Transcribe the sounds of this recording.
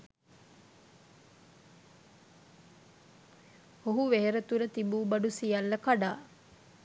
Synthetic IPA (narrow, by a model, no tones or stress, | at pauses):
hoɦuʋeɦeɾət̪uɾət̪ibuːbaɖusijalːəkaɖaː